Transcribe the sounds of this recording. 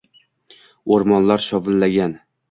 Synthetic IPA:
oɾmɒnlaɾʃɒvɪlːaɡʲan

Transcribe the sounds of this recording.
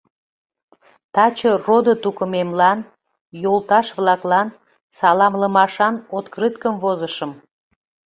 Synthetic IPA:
t̪ɑt͡ɕərod̪ot̪ukəmemlɑn | jolˠt̪ɑʃβlɑklɑn | sɑlɑmləmɑʃɑnot̪krɨt̪kəmvozəʃəm

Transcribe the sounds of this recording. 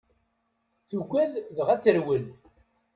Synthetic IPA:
θuɡʷæððəʁæθəɾwəl

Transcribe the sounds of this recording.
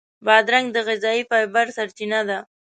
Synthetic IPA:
bɑd̪ɾaŋɡd̪əɣɪzɑifɑjbaɾsaɾt͡ʃinad̪a

